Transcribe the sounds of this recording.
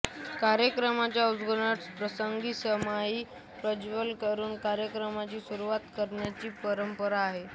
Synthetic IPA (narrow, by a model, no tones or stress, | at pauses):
kaɾjəkɾəmat͡ɕjaud͡zɡonaʈspɾəsəŋɡiːsəmaiː | pɾəd͡ʑʋəlkəɾuːnkaɾjəkɾəmat͡ɕiːsuɾuʋat̪kəɾɳjat͡ɕiːpəɾəmpəɾaːɦe